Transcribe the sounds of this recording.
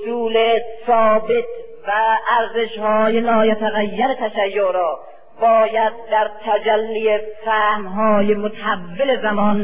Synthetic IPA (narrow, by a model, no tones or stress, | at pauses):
suːlesɒːbet̪ | væʔːɾzeʃhɒːjelɒːjæt̪ʰæɣæjːæɾet̪ʰæʃæjːoʔɾɒː | bɒːjæd̪̚ːæɾt̪ʰæd͡ʒælːijefæhmɦɒːjemot̪ʰæhævːele̞zæmɒːn